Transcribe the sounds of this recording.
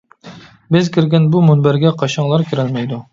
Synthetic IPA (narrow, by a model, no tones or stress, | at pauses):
bɪzkʲiɾɡʲɛnbumunbæɾɡʲɛqʰɑʃɑŋlˠɑɾkʲʰiɾɛlmɛjd̪u